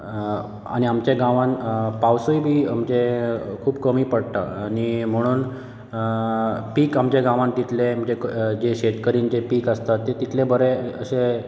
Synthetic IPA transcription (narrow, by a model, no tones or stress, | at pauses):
a̰ɽ̃iamt͡ɕeɡãʋãnpawsojbʱiːamt͡ɕekʰuːbkəmiːpəɽt̪a̰aɽ̃im̤əɽ̃uːn | piːkamt͡ɕeɡãʋãnt̪it̪ʰlem̤əd͡ʑed͡ʑeɕeʈkəɾiːnd͡ʑepiːkəst̪at̪ːet̪it̪ʰlebəɾeə̰se